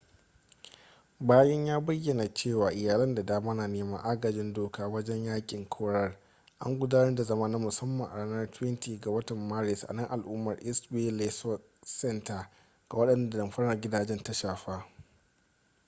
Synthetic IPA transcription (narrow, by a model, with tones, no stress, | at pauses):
baː˦jɐ˦ɲjaː˦bɐ˦jːɐ˨na˨t͡ʃeː˦˨waː˨ʔɪ˨jaː˨lɐ˦nda˨daː˦ma˦naː˨neː˦mɐ̰˦ŋʔa˦ɡɐ˨d͡ʒɪ˦ndoː˨kʰaː˦wɐ˦d͡ʒɛ˦ɲjaː˦kʲʼɪ˨ŋkʰoː˦ɽɐ˦r | ʔa̰˦ŋɡʷʊ˦daː˦nɐ˦rda˨zɐ˦maː˦na˦mʊ˨sɐ˦mːɐ˨ŋʔa˨aː˦nɐ˦rtwɛ˦ntiː˨ɡa˨wɐ˦tɐ˨mːaː˦ɾɪ˨sʔa̰˨nɐ˦ŋʔa˨lʔuː˦mɐ˨rʔɪ˦sbeː˦le˨sɔ˦t | sɛ˦nta˨ | ɡ̥a˨wɐ˦ɗɐ˦˨nda˨dɐ˨mɸɐ˦ɽɐ˨rɡʲɪ˦daː˨d͡ʒɛ˦nta˦ʃaː˨ɸaː˦